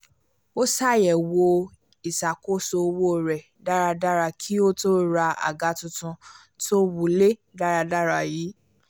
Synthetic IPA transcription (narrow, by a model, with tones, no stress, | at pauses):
o˦sa˦˨jɛ˨wo˧ | i˨sa˨ko˦so˧wo˦˨ɾɛ˨ | da˦ɾa˧da˦ɾa˧kʰi˦o˦to˦ɾa˧a̰˨ɡa˨˦tũ˧tũ˧ | to˦wu˨le˦da˦ɾa˧da˦ɾa˧jiː˨˦